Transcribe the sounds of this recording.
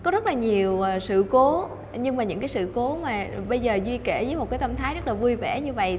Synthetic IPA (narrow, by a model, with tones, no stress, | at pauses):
kɔ˨˦zə˦˥t̚laː˨˩ɲi˨˩əwʔəː˨˩sɨ̰˧˨ko˨˦ | ɲɨ˧ŋmaː˨˩ɲɨ̰˧˥ŋkaː˨˦jsɨ̰˧˨ko˨˦maː˨˩ɓə˧jzəː˨˩zwi˧kɛ˧˩zəː˨˦jmo˨˩kaː˨˦jt̪ə˧mt̪ʰaː˨˦jzə˦˥t̚laː˨˩vu˧jvɛ̰˧˩ɲɨ˧və̰˧˨j